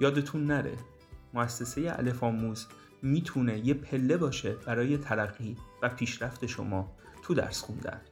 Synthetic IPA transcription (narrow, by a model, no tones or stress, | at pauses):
jɒːd̪et̪ʰunːæɾḛ | moæsːe̞se̞jeʔæ̰le̞fɒːmuːz | miːt̪ʰune̞jepʰe̞lːe̞bɒːʃe̞bæɾɒːje̞t̪ʰælæɢːiːvæpʰiːʃɾæft̪ʰe̞ʃo̞̰mɒː | t̪ʰud̪æ̰ɾsxund̪æ̰n